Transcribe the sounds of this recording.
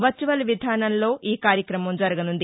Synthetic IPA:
ʋɐt͡ʃːuʋɐlʋid̪ʱaːnɐnlo̞ːʔiːkaːɾjɐkɾɐmɐmd͡ʒɐɾɐɡɐnund̪i

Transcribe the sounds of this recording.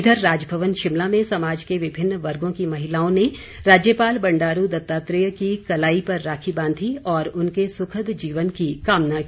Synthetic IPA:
d̪ʱəɾːaːd͡ʒbʱɐʋənʃɪmlamẽsɐmaːd͡ʒkeʋɪbʱɪnːʋɐɾɡõkimɐɦɪlaːõne | ɾaːd͡ʒjəpaːlbɐ̃ɳɖaːɾud̪ɐt̪ːaːt̪ɾɪjəkikɐlaːipɐɾːaːkʰibãːnd̪ʱiɔːɾʊnkesʊkʰəd̪d͡ʒiːʋənkikaːmnaki

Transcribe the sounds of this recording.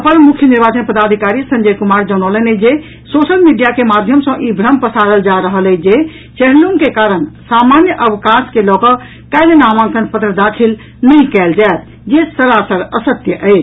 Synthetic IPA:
əpənmukʰjəniɾbat͡ʃənpəd̪ad̪ʱikaɾisə̃ɲd͡ʒəkumaɾd͡ʒənələned͡ʒe | sosəlmiɖijakemad̪ʱjəmsə̃ʔibʱɾəmpəsad̪əld͡ʒaɾəɦəlɛd͡ʒe | t͡ʃɛnəluŋkekaɾənsamanjəʔəbʱikãskelɔkə | kalenamãŋkənpət̪ɾəd̪akʰil | nəĩkɛld͡ʒaet̪̚ | d͡ʒesəɾasəɾəsət̪jəʔət͡ʃʰ

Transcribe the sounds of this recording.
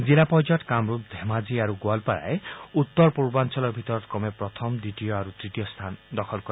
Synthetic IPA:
d͡zilapɔd͡ʒɔʈkamɾup̚d̪ʱemad͡ʒiaɾuɡwalpaɾa̰eut̪ːɔɾpuɾbant͡ʃɔlɔɾbʱit̪ɔɾɔt̪kɔmepɾɔt̪ʰɔmdiʈijɔaɾut̪ɾiʈijɔst̪ʰand̪ɔkʰɔlkɔɾ

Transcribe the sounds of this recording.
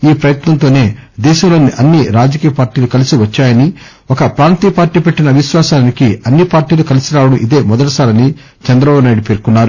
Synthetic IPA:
iːpɾɐjɐt̪nɐnt̪o̞ːne̞ːd̪ɛːʃɐmlo̞ːniʔɐnːiɾaːd͡ʒɐkiːjɐpaːɾʈiːlukɐlisiʋɐt͡ʃːaːjɐni | ɔkɐpɾaːnt̪iːjɐpaːɾʈiːpeʈːinɐʋiʃʋaːsaːlɐnikiɐnːipaːɾʈiːlukɐlisiɾaːwɐɽɐmʔid̪e̞ːmɔd̪ɐɽɐsaːɾɐni | t͡ʃɐnd̪ɾɐbaːbunaːjɽupeːɾkunːaːɾu

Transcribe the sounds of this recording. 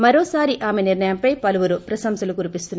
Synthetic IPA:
mɐɾoːsaːɾiʔaːmeniɾɳɐjɐmpɐjpɐluʋuɾupɾɐsɐmsɐlukuɾipist̪unː

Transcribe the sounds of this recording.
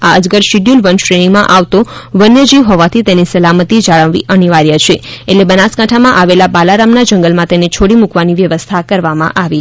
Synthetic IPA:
aəd͡ʒɡəɾʃiɖjulʋənʃɾeɽimãʔaʋt̪oʋənjəd͡ʒiʋɦɔʋat̪ʰit̪enisəlamət̪id͡ʒaɭəʋʋiʔəniʋaɾjat͡ʃʰeeʈlebənaskãʈʰamãʔaʋelabalaɾamnad͡ʒəŋɡəlmãt̪enet͡ʃʰoɽimukʋaniʋjəʋəst̪ʰakəɾʋamã̰ʔaʋi

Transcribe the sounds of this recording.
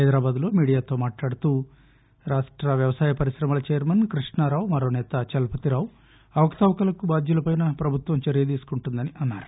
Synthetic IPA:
ɦɐjd̪ɾaːbaːd̪ulo̞ːmiːɽijaːt̪oːmaːʈlaːɽut̪uː | ɾaːʂʈɾɐʋjɐʋɐsaːjɐpɐɾiʃɾɐmɐlɐt͡ʃejɐɾmɐnkɾiʂɳɐɾaːwmɐɾoːnɛːt̪ɐt͡ʃɐlɐpɐt̪iɾaːw | ɐʋɐkt̪ɐʋɐkɐlɐkubaːd̪julɐpɐjnɐpɾɐbʱut̪ʋɐmt͡ʃɐɾijɐd̪iːsu̥kuɳʈund̪ɐniʔɐnːa̰ːɾu̥

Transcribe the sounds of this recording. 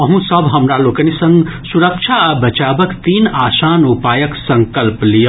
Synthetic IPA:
ʌɦũsʌbɦʌmɾalokənisʌŋɡsuɾək̚t͡ʃʰabət͡ʃabʌkt̪inasanupajʌksʌŋkʌlplij

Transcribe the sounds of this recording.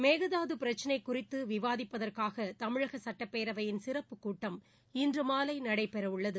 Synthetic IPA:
meːɣɐðaːðɯpɪɾɐt͡ʃːɐnɐɪkːʊrɪt̪ːɯʋɪʋaːðɪpːɐðɐrkaːɣɐt̪ɐmɪɻɐɣɐsɐʈːɐpːeːɾɐʋɐjɪnsɪrɐpːɯkːuːʈːɐm | ɪndrɯmaːlɐɪnɐɽɐɪpːɛɾɐɯɭːɐðɯ

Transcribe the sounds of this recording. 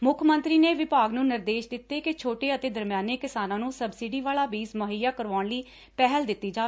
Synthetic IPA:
mʊkʰmə̃nt̪ɾiːneːʋɪpaːɡnũːnɪɾd̪eːʃd̪ɪt̪ːeːket͡ʃʰoːʈeːət̪eːd̪əɾmjaːneːkɪsaːnãːnũːsəbsiːɖiːʋaːlaːbiːzməɦəjaːkəɾʋaːɳləiː | pɛɦəld̪ɪt̪ːiːd͡ʒaːeː

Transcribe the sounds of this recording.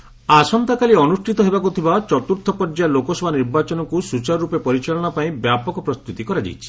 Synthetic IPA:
asɔnt̪akaliɔnusʈʰit̪ɔɦebakut̪ʰibat͡ʃɔt̪uɾt̪ʰːɔpɔɾd͡ʒalokɔsɔbʱaniɾbat͡ʃɔnɔkusut͡ʃaɾɾupepɔɾit͡ʃaɭɔɽ̃ɔpaĩbjapɔkɔpɾɔst̪ut̪ikɔɾad͡ʒa̰jt͡ʃʰi̥

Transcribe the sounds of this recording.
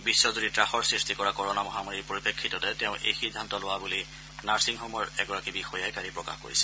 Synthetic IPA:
bisːɔzuditɹaxɔɹsɹistikɔɹakɔɹɔnamɔɦamaɹiɹpoɹipekʰːitɔtɛtɛʊ̃ʔḛjxidʱːantɔlʊwabuli | naɹsiŋxɔmɔɹɛɡɔɹakibixɔjajkaɹipɹɔka̰xko̰ɹḭsɛ̥

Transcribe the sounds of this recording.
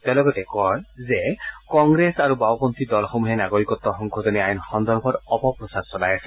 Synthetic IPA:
t̪ẽlɔɡɔtɛkɔɹzɛkɔŋɡɹesaɹubawpɔnt̪ʰid̪ɔlxɔmuɦɛnaɡoɹikɔt̪ːɔxɔŋkʰɔzɔniajɔnxɔnd̪ɔɹbʱɔɹɔpɔpɹɔsaɹsɔlajasɛ̥

